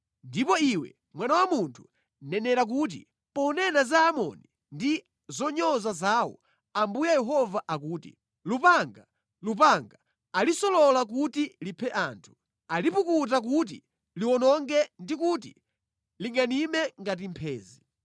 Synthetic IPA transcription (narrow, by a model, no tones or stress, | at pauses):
ndipɔiwɛ̰ | mwanawamuntʰu̥ | nɛnɛɾak̬uːt̬ḭ | pɔnɛnazaːmɔ̰ni | ndi | zɔɲɔzazaːwɔ̰ | ambujajɛɦɔvaʔakuːtḭ | lupaŋɡa | lupaŋɡaː | lisɔlɔlak̬utilipʰɛʔaːntʰu̥ | alipukut̬ak̬ut̬ḭ | liwɔnɔŋɡɛndikut̬ḭ | liŋɡanimɛŋɡat̬impʰɛːzi